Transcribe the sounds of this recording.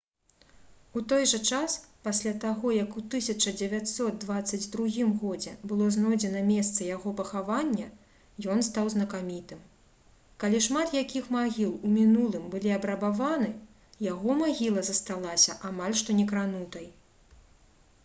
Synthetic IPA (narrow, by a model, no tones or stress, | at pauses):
ut̪ɔjʐɐt͡ʂaspasʲlʲat̪aɣɔjɐkut̪ɨsʲɐt͡ʂɐd͡zʲɛvʲatʲsɔt̪̚d̪vat̪sːɐd͡zʲd̪ɾuɣʲimɣɔd͡zʲɛbɨlˠɔznɔd͡zʲɛnɐmʲɛst̪sɐjaɣɔpɐxavanʲːɐ | jɔnst̪awznɐkamʲit̪ɨm | kalʲiʂmat̪jakʲixmaɣʲilˠumʲinulˠɨmbɨlʲiɐbɾɐbavanɨ | jaɣɔmaɣʲilˠɐzɐst̪alˠasʲɐʔamalʲʂt̪ɔnʲɛkɾanut̪ɐj